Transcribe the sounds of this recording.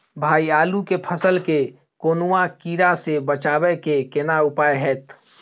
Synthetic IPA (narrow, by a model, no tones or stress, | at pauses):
bʱaːiaːlukepʰəsəlke | koːnuãkiːɾasebət͡ʃaːwɛkekɪnaʊpaːjɦɛːt̪